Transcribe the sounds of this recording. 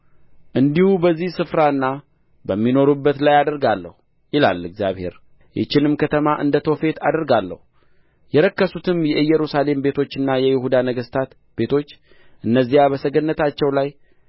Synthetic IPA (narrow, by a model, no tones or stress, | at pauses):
ʔɨnd̪ihubəzːihsɨfɾaɨnːa | bəmːino̞ɾubːət̪lajad̪əɾɡalːə̰hu | jɪla̰lːɨɡzja̰βhe̞̰ɾ | jɛ̰t͡ʃːɪnɨmkʰət̪ʰəmaʔɨnd̪ət̪ʰo̞fe̞t̪ad̪əɾɡalːə̰hu | jɛɾəkːəsut̪ʰɨmjɛɨjɛɾusale̞mbe̞t̪ʰo̞t͡ʃːɨnːajɛjɪhud̪anəɡəst̪ʰat̪ | be̞t̪ʰo̞t͡ʃː | ʔɨnːəzːijabəsəɡənːət̪ʰat͡ʃːɛwlaj